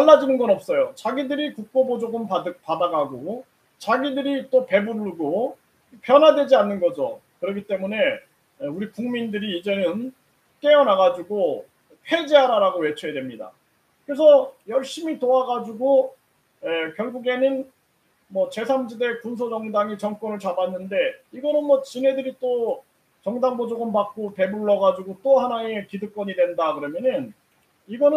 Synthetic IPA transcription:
aɭːad͡ʑinɯnɡʌnʌp̚s͈ʌjot͡ɕaɡidɯɾikuk̚k͈obod͡ʑoɡɯmpadɯpadaɡaɡo | t͡ɕaɡidɯɾit͈ope̞buɾɡo | pjʌnɦwadwe̞d͡ʑianːɯnɡʌd͡ʑo̰kɯɾʌkʰit͈e̞mune̞ | euɾikuŋmindɯɾiːd͡ʑe̞nɯn | k͈e̞ʌnaɡad͡ʑuɡo | ɸʰe̞d͡ʑeɦaɾaɾaɡowe̞t͡ɕʰoedwemɲida̰ | kɯɾe̞sʰʌjʌɭɕ͈imitoaɡad͡ʑuɡo | ekjʌɭɡuɡe̞nɯn | mʌt͡ɕe̞sʰand͡ʑide̞kuns̬ʰod͡ʑʌŋdaŋit͡ɕʌŋk͈wʌnɯɭt͡ɕabanːɯnde̞iɡʌnɯnmwʌt͡ɕinɦe̞dɯɾit͈o | t͡ɕʌŋdaŋbod͡ʑoɡɯmpak͈ope̞buɭːʌɡad͡ʑuɡot͈ohanaekidɯk͈wʌɲidwe̞ndakɯɾʌmjʌnɯn | iɡʌnɯ

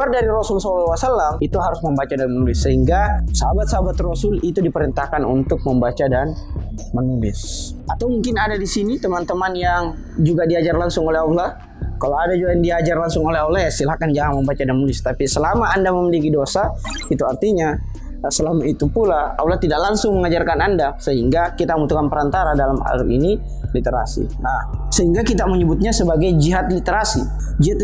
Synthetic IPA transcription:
ardaɾiɾosʊlsallawasalːamit̪uɦaɾʊsməmbat͡ʃadanmənulɪsːəɦiŋɡasəɦabat̪səɦabat̪rosʊlit̪udipəɾint̪ahkanṵnt̪ʊk̚məmbat͡ʃadan | mənulɪsat̪awmuŋkɪnadadisinit̪əmant̪əmanjaŋ | d͡ʒuɡadiad͡ʒarlaŋsʊŋolɛɦawlah | kalowadad͡ʒuɡajaŋdiad͡ʒarlaŋsʊŋolɛɦawlajasilahkand͡ʒaŋaŋməmbat͡ʃadamulɪst̪apisəlamaːndaməmilikidosa | it̪uart̪iɲa | səlamait̪upulaa̰wlat̪idaʔlaŋsʊŋməŋad͡ʒarkanandasəɦiŋɡakit̪aəmut̪ukanpəɾant̪aɾadalama̰ɾḭni | lit̪eɾa̰sḭnahsəɦiŋɡakit̪aməɲəbʊt̪̚ɲasəbaɡajd͡ʒiɦat̪lit̪eɾasi | d͡ʒiat̪

